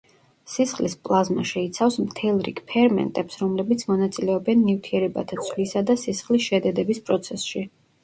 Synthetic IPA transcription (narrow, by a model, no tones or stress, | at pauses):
sisχlispʼlˠazmaʃɛit̪sʰafsmt̪ʰɛlˠɾḭkʰpʰɛɾmɛ̰nt̪ʼɛpsɾɔmlɛbit̪sʰmɔnat̪sʼilɛɔbɛnːivt̪ʰiɛɾɛba̰t̪ʰat̪sʰʼvlisad̪asisχlisʃɛd̪ɛd̪ɛbispʼɾɔt̪sʰɛsʃi